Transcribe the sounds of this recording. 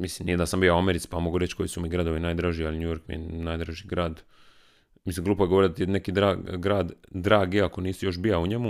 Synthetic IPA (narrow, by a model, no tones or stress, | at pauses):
mislimnijed̪asambijauameɾit̪si̥pamo̞ɡuɾet͡ɕko̞jisumiɡɾad̪o̞ʋinaːjd̪ɾaʒialiɲujo̞ɾkmḭjḛnaːjd̪ɾaʒiɡɾaːd̪ | mislimŋɡlˠuːpojeɡooɾd̪at̪ine̞kid̪ɾaɡɾaːd̪ːɾaːɡiako̞niːsujo̞ʃ̬bijauɲemu